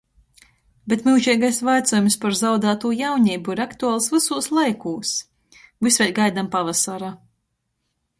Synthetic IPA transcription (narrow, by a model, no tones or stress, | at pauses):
bet̪milˠʒɛjɡajsvajt̪sɔjumspaɾzawd̪aːt̪uːjawɲiːbuiɾakt̪uaːlˠsvɨsuːslˠajkuːs | vɨsvʲɛlʲɡajd̪ampavasaɾa